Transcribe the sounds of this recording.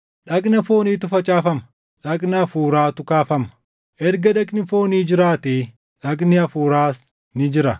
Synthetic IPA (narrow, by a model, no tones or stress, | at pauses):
ᶑɐkʼnɐfoːniːt̪ʊfɐt͡ʃʼaːfɐmɐ | ᶑɐknɐɐfuːɾaːt̪ʊkaːfɐmɐ̥ | ʔɛɾɡɐᶑɐkʼnɪfo̞ːniːd͡ʒɪɾaːt̪eː | ᶑɐknɪɐfuːɾaːs | nɪd͡ʒɪɾɐ